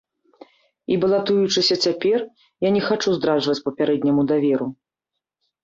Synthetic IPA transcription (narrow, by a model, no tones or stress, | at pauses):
ibɐlˠat̪ujut͡ʂɨsʲɐt͡sʲapʲɛr | janʲɛxat͡ʂuzd̪ɾaʐvɐt͡sʲpɐpʲaɾɛd̪ʲnʲɐmud̪avʲɛɾu